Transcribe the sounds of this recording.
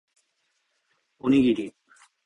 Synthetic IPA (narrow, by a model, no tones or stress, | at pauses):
oniɡiɾi